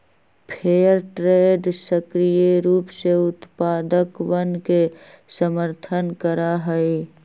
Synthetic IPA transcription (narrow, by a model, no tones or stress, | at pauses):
pʰeːəɾʈɾeːɖsəkɾijeɾuːpseʊt̪paːd̪əkʋənke | səməɾt̪ʰənkəɾaɦɛi